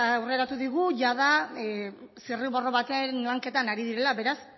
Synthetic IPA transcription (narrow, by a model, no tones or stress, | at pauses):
awre̞ɾat̪uðiɣuʝaða | siriβo̞ro̞βat̪enlaŋke̞t̪anaɾiðiɾe̞laβe̞ɾas